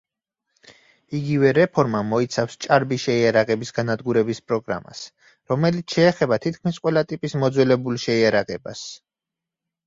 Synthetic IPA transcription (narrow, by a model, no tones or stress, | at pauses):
iɡivɛɾɛpʰɔɾmamɔit̪sʰafst͡ʃʼaɾbiʃɛiaɾaʁɛbisɡanad̪ɡuɾɛbispʼɾɔɡɾa̰ma̰s | ɾɔmɛlit̪sʰʃɛːχɛbat̪ʰit̪̚ʰkʰmisqʼwɛlat̪ʼipʼismɔd̪zwɛlɛbulˠʃɛiaɾaʁɛba̰s